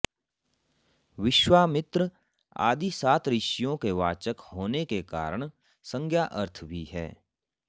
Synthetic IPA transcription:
ʋɪʃwaːmɪt̪ɾə | a̰ːd̪isaːt̪ɾɪʃjõkeʋaːt͡ʃəkhoːnekeka̰ːɾəɽ̃ | sə̃ŋɡʱjaːʔəɾt̪ʰbʱiɦɛ̰ː

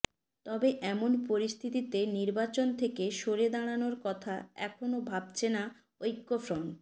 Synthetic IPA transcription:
t̪ɔbeʔɛmonpoɾist̪ʰit̪it̪eniɾbat͡ɕont̪ʰekeʃoɾed̪aɽ̃anoɾkɔt̪ʰa̰ɛ̰kʰonobʱabt͡ɕʰena | ojkːofɾon

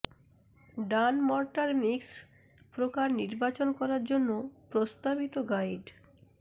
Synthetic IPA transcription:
ɖanmɔɾʈaɾmikspɾokaɾniɾbat͡ɕonkɔɾaɾd͡ʑonːopɾost̪abit̪oɡajɖ

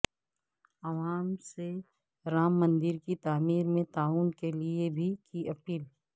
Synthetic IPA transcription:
ɐʋaːmse | ɾaːmːɐ̃nd̪ɪɾkit̪aːmiːɾmẽt̪aːuːnkeliebʱikiɐpiːl

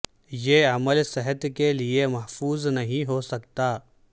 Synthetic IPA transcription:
jeːɐməlsɪɦət̪kelɪemɐɦfuːznɐɦĩɦosɐk̚t̪aː

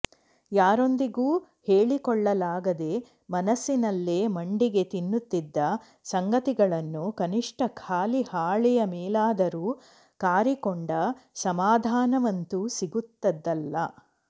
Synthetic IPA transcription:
jaːɾo̞nd̪iɡuː | heːɭikɔɭːɐlaːɡɐd̪e̞ | mɐnɐsːinɐlːeːmɐɳɖiɡe̞t̪inːut̪ːid̪ːɐ | sɐŋɡɐt̪iɡɐɭɐnːukɐniʂʈɐkʰaːlihaːɭɛjɐmɛːlaːd̪ɐɾuː | kaːɾikɔɳɖɐsɐmaːd̪ʱaːnɐʋɐnt̪usiɡut̪ːɐd̪ːɐlːɐ

